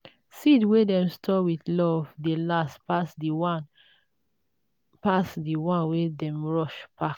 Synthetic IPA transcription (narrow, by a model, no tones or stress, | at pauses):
sidwɛdɛ̃mstʰɔwiθlɔvdelaspasdwn | pasdiwãnwɛdɛ̃mɹɔʃpak